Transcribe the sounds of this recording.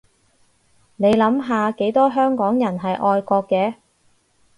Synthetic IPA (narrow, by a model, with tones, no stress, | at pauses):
ne˨˧jlɐ˨˥mɦaː˨˧ke˨˥jt̪ɔː˥ɦœː˥ŋkɔː˨˥ŋjɐ˨˩nɦɐ˨jʔɔː˧jkɔː˧kːɛː˧